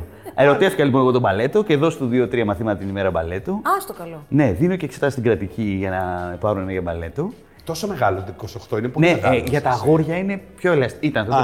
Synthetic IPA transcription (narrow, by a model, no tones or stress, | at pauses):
e̞ɾo̞t̪e̞ft̪ikɐlipo̞nɐpo̞t̪obɐle̞t̪o̞ce̞ðo̞st̪uðio̞t̪ɾiɐmɐθimɐt̪ɐt̪inime̞ɾɐbɐ̰le̞t̪oɐst̪okɐlone̞ðinoceːkse̞t̪ɐst̪iɡɾɐt̪iciʝɐnɐpɐɾunenɐʝɐbɐle̞t̪o | t̪o̞someɣɐlot̪kosoxt̪oineponeɣʝɐt̪ɐɣo̞ɾʝɐine̞pço̞elɐsit̪ɐnɐfo